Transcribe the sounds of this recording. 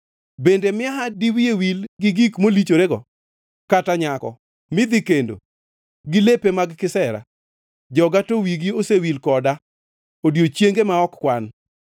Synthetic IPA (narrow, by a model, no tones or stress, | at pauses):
bendemɪaɦadiwiewilɡɪɡikmolit͡ʃoɾeɡɔ | kataɲakɔ̰ | mɪd̪ɪkendo̰ | ɡɪlepemaɡkɪsɛɾa̰ | d͡ʒɔɡatowiɡiosewilkɔda | odjot͡ʃjeŋɡemaɔkːwan